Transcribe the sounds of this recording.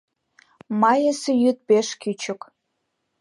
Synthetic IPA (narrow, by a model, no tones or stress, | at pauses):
mɑjəsejyt̪̚peʃkyt͡ɕə̆k